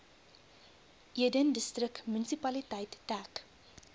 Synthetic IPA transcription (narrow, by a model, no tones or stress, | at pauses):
ʔiədəndəstrəkmənisipɐlitɐjtːæːk